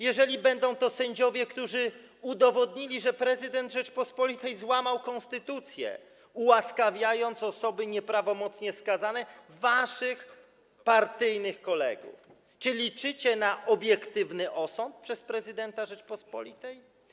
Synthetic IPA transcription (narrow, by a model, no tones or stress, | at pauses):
jɛʐɛlʲibɛnd̪ɔ̃w̃t̪ɔsɛɲd͡ʑɔvʲjɛkt̪uʐɘ | ud̪ɔvɔd̪ɲilʲiʐɛpɾɛzɨd̪ɛnd̪ʐɛt͡ʂpɔspɔlʲit̪ɛjzwamawkɔnst̪ɘt̪ut̪sʲjɛ̰ | uwaskavʲjajɔnt̪sɔsɔbɘɲɛpɾavɔmɔt̪sɲɛskazanɛvaʂɨx | paɾt̪ɘjnɘxkɔlɛ̰ɡṵf | t͡ʂɘlʲit͡ʂɘt͡ɕɛnaʔɔbʲjɛkt̪ɘvnɘʔɔsɔnt̪̚pʂɛspɾɛzɘd̪ɛnt̪aʐɛt͡ʂpɔspɔ̰lʲit̪ɛj